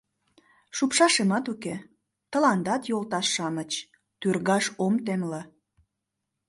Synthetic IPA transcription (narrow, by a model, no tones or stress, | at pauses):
ʃupʃɑʃemɑt̪uke | t̪ə̆lɑnd̪ɑt̪jolt̪ɑʃːɑmət͡ɕ | t̪yrɣɑʃomt̪emlɑ